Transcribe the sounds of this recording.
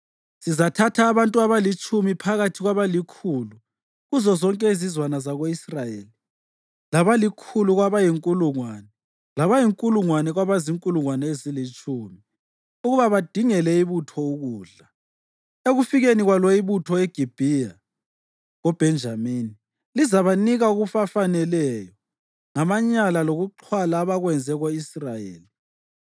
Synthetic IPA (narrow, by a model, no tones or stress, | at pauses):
sizatʰatʰaːβantʼuaβalit͡ʃʼumipʰaɣatʰiɣwaβalikʰuːlu | ɣuzɔzɔŋkʼɛizizwanazaɣoisrajeːli | laβalikʰuluɣwaβajiŋkʼuluŋwaːnɛ | laβajiŋkʼuluŋwanɛɣwaβaziŋkʼuluŋwanɛezilit͡ʃʼʰuːmi | uɣuβaβad̥ʱiŋɛlɛiβutʰɔuɣuːɮa | eɣufiɣeniɣwalwɔiβutʰɔeɡ̥ʱib̥ʱija | ɣɔb̥ʱɛnd͡ʒʱamiːni | lizaβaniɣauɣufafanɛlɛjɔ | ŋamaɲalaloɣuǃʰwalaːβaɣwɛnd͡zʱɛɣoisrajḛːli